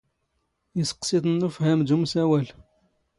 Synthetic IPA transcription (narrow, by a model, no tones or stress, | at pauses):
jəsə̥qsit̪ənːufhæmd̪umsæwæl